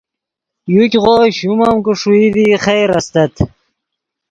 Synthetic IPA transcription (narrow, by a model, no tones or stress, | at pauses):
jukʲʁoɕumɐmkuʂuid̪iχejɾɐst̪ɐt̪